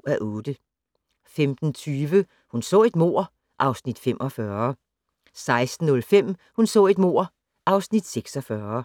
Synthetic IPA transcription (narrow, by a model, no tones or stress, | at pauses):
æʔɔːd̥ə | femd̥n̩t͡sʰyːʋə | hunsɔ̰ːe̝d̥mo̝ɐ̰ | ʔɑ̈ʊsnid̥femʔɒ̽fɶɐɐ | sɑ̈ɪsd̥n̩ɔ̽lfem̰hunsɔ̰̽ːe̝d̥mo̝ɐ̰ | ʔɑ̈ʊsnid̥seɡ̥sɒfɶɐ